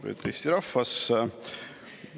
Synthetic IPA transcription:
pø̰t̪ʰːejst̪iɾɑfːɑs

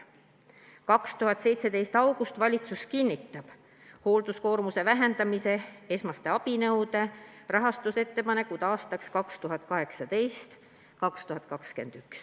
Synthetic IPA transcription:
kɑkst̪uɦɑt̪se̞jt̪se̞d̪e̞jst̪ɑwɡ̥ust̪vɑlʲit̪suskinʲːit̪ːˑɑb̥ | ho̞ːld̪̥usko̞ːrmuse̞væɦe̞nd̪̥ɑmise̞e̞smɑst̪e̞ɑb̥inɤwd̪̥e̞ | rɑɦɑst̪use̞t̪ːe̞pɑne̞kːud̪̥ɑːst̪ɑkskɑkst̪uɦɑt̪̚ˑkɑɦe̞ksɑd̪e̞jst̪ | kɑkst̪uhɦɑt̪̚ˑkɑkske̞̰nd̪̥yks

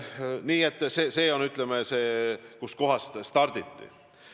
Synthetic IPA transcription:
niːet̪ːˑseːse̞ːo̞nyt̪ˑlemese̞ːkusko̞ɦɑst̪st̪ɑrd̪̥it̪ːḭ

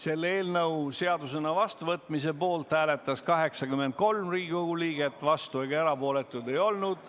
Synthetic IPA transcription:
se̞lːeːlnɤwse̞ɑd̪use̞nɑvɑst̪uvɤt̪ːˑmise̞po̞ːlt̪hæːle̞t̪ːˑɑskɑɦe̞ksɑɡymːe̞nd̪̚ko̞lmriːɡikoɡuliːɡ̥e̞t̪ːˑvɑst̪ueɡ̥ɑeɾɑpo̞ːle̞t̪ːˑud̪e̞jo̞lnud̪̥

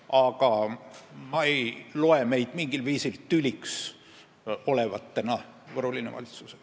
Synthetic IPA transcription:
ɑɡɑ | mɑejlo̞e̞me̞jd̪̥miŋɡ̥ilviːsilt̪ylʲiks | o̞le̞vɑt̪ːe̞nɑ | vɤrhulinevɑ̰lʲit̪su̥se̥

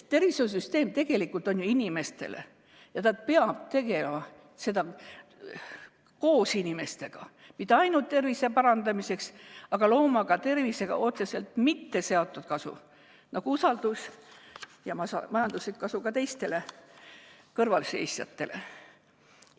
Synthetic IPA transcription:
tt̪e̞rvises̬yst̪e̞ːmt̪e̞ɡ̥e̞likːˑult̪ˑo̞njuinime̞st̪e̞̰lḛ | jɑnɑd̪̥̚pe̞ɑb̚t̪e̞ɡ̥e̞lemɑ | se̞d̪̥ɑ | ko̞ːsinʲime̞st̪e̞ɡ̥ɑ | mit̪ˑːeɑjnut̪ːe̞rvise̞pɑɾɑnd̪̥ɑmise̞ksɑɡ̥ɑlo̞ːmɑɡɑt̪e̞rvise̞ɡ̥ɑ̰ʔo̞t̪sɑse̞lt̪mit̪ːe̞se̞ot̪ːˑud̪̥̚kɑsṵ | nɑɡ̥uusɑld̪̥us | jɑmɑsɑmɑjɑnd̪uslikːɑsukɑt̪e̞jst̪e̞le̞ | kɤrvɑlse̞̰jsjɑ̰t̪ːe̞le̞̰

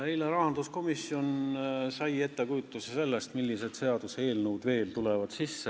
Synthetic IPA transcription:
ejleɾɑhɑnd̪̥usko̞misio̞nsɑje̞t̪ːe̞kujut̪ːˑusese̞lːest̪milːise̞d̪̥se̞ɑd̪̥usee̞ːlnəwd̪̥ve̞ːlt̪ulevɑd̪̥sisːe

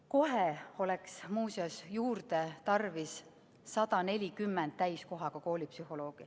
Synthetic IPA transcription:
ko̞ɦeo̞leksmuːseosjuːrd̪e̞t̪ɑrvisː | ɑt̪ɑne̞lʲikymːɛnd̪̥̚t̪æjsko̞ɦɑkɑko̞ːlʲipsyɦo̞lo̞ːɡ̥i

